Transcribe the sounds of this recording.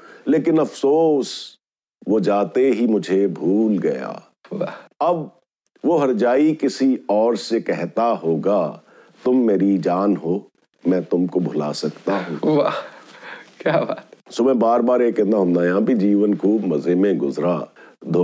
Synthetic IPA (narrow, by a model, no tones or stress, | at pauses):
leːkɪnɐfsoːs | ʋod͡ʒaːt̪eɦimʊd͡ʒʱebʱuːlɡɐ̰ja̰ː | ʋaɐb | ʋoɦɐɾd͡ʒaːikɪsiɔːɾsekɛɦt̪aɦoːɡa | t̪ʊmːeːɾid͡ʒaːnɦoː | mɛ̃ːt̪ʊmkobʱʊla̰sɐkt̪aɦɦũːʋa | kjaːbaːt̪soːmɛ̃ːbaːɾbaːɾeːkɛ̃nd̪aɦʊ̃nd̪ajãːbʱid͡ʒiːʋənkuːbmɐzemẽɡʊzɾad̪ʱo